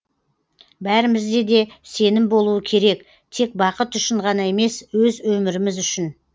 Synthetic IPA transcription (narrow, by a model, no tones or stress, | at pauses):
bæɾɪmɪzd̪e̞d̪e̞se̞nɪmbo̞lˠuəkʲʰe̞ɾe̞k | t̪ʰe̞k̚bɑqət̪ʏʃɪɴʁɑnɑe̞me̞swɵzwɵmɪɾɪmɪzʏʃɪn